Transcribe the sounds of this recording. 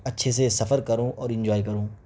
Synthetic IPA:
ɐtːʃʰes̬esɐfəɾkɐɾõɔːɾɪ̃nd͡ʒaːikɐɾũː

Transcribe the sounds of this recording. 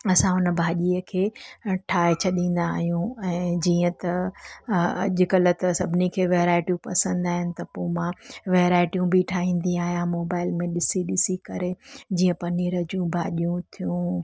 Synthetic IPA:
ɐsãʊnə̆bʱaːʄiːəkʰeːʈʰaːɦet͡ɕʰɐɗĩːn̆d̪aːɦijũɛ̃ːd͡ʑiːə̃t̪ɐ | ɐ̰ʄʊkɐlət̪ɐsɐbʱɪnikʰeːʋeːɾaːɪʈijũpɐsə̃nd̪aːɦɪnɪ̆t̪ɐpoːmãʋeːɾaːɪʈijũbʱiʈʰaːɦĩːn̆d̪ĩaːɦijãmoːbaːɪlmẽɗɪsiɗɪsikɐɾed͡ʑĩːə̃pɐniːɾəd͡ʑũbʱaːʄijũt̪ʰijũ

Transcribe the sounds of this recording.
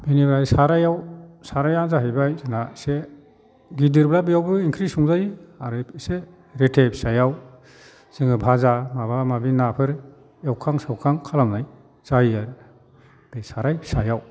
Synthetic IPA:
binibɾajsaɾajawsaɾajazaɦɯjbajzɯnase | ɡidɯɾblabijawbɯiŋkʰɾisuŋzajaɾɯse | ɾetʰebʰsajaw | z̥ɯŋɯbʱazamabamabinapʰɯɾ | awkʰaŋsawkʰaŋkʰalamnaj | z̥aiaɾɯ | d̥ejsaɾajsajaw

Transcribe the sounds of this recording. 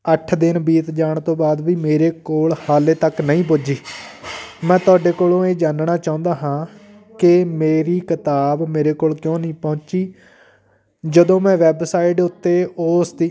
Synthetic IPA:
əʈʰd̪ɪnbiːt̪d͡ʒaːɳt̪õːbaːd̪ʋiːmeːɾeːkoːɭhaːleːt̪əknəĩːp̬oːd͡ʒiː | mɛ̃ːt̪ʊaːɖeːkoːlõːeːd͡ʒaːnɳaːt͡ʃaːʊ̃nd̪aːɦãː | kɪmeːɾiːkɪt̪aːbmeːɾeːkoːlkjõːnəĩːpɔ̃ːt͡ʃiː | d͡ʒəd̪õːmɛ̃ːʋɛːbsaːɪʈʊt̪ːeːoːsd̪iː

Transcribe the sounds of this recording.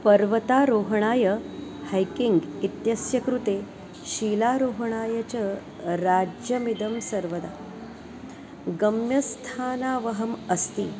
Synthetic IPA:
pəɾʋət̪aɾoɦɳ̃aːjəhajkiŋɡit̪jɐsjɐkɾut̪e | ɕiːlaɾoɦɳ̃aːjət͡ɕə | ɾad͡ʑjɐmid̪əmsɐɾʋəd̪a | ɡəmjɐst̪ʰaːnaːʋəɦəməst̪iː

